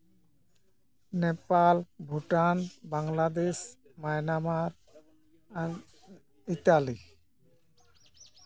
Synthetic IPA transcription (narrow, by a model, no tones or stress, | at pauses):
nepalbʱuʈanbaŋlad̪es | majnamaɾ | an | it̪ali